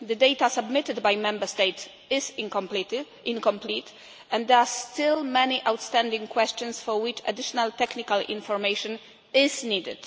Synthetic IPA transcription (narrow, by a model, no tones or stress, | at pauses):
d̪ɨd̪ejt̪asabmɪt̪ɪd̪bajmɛ̃mbəst̪ets | ɪz | ĩnkɔ̃mplit̪ | ʔɛ̃nd̪d̪ɛast̪ɪlmɛniʔawt̪st̪ɛ̃ndĩŋkwɛst͡ʃɔ̃nsfɔɹwɪt͡ʃa̰d̪ɪʃɔnalt̪ɛknikalḭ̃nfɔɾmejʃɔ̃n | ɪznid̪ɪd̥